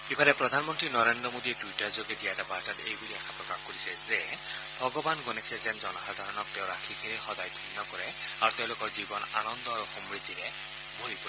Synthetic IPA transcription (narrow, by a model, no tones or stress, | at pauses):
kibʱalɛpɹɔd̪ʱanmɔntɹinɔɹendɹɔmodiɛtwitaɹzoɡɛdiatabaɹtatejbuliɛxʰapɹɔkaxkoɹisɛzɛ | bʱɔɡɔbanɡonɛsɛzɛnzɔnɔɦad̪ʱaɹɔnɔk̚tɛʊ̃ɹakʰikʰeɹɛxɔdajdʱinːɔkɔɹɛaɹuteʊ̃lʊkɔɹzibɔna̰nɔnd̪ɔaɹuxɔmɹid̪ʱːiɾɛ | bolipɛ